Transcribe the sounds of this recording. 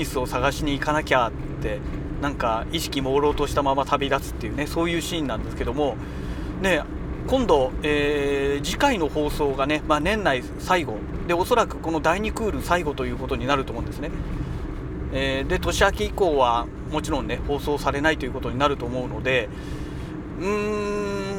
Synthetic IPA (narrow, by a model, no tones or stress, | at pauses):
ɲisɨo̞saɡaɕiɲ̟iːkanakʲaː | e̞ | nãŋkaiɕi̥kʲimo̞ːɾo̞ːt̪o̞ɕi̥t̪amamat̪ʰabʲid̪asɨ̥t̪ːe̞jɯ̟ːne̞so̞ːjɯ̟ːɕĩːnːãnd̪esɨ̥ke̞d̪o̞mo̞ | ne̞ | kõ̞nd̪o̞eːd͡ʑikaino̞ho̞ːso̞ːɡane̞manẽ̞nːai | saiɡo̞d̪e̞o̞so̞ɾakɯ̟ko̞no̞d̪aiɲ̟ikɯ̟ːɾɯ̟saiɡo̞t̪o̞jɯ̟ːko̞t̪o̞ɲ̟inaɾɯt̪oːmõnd̪e̞sɨne | eːd̪e̞t̪o̞ɕiakeiko̞ːβa | mo̞t͡ɕiɾõ̞nːe̞ho̞ːso̞ːsaɾe̞nait̪o̞jɯ̟kot̪o̞ɲ̟inaɾɯ̟t̪o̞ːmo̞ɯ̟no̞d̪e̞ | ɯ̟̃ɴ